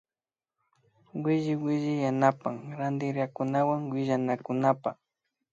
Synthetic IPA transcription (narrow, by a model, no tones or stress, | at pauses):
wɪʒɪwɪʒɪjanapaŋɾand̪ɪɾakʊnawaŋwɪʒanakʊnapa̰